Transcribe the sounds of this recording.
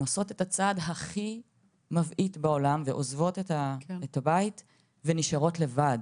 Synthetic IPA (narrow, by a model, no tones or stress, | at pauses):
maso̞tetat͡sadɦaχi | mavʔitbao̞lamveʔozvo̞tetaetabait | veniʃaʁo̞tle̞vad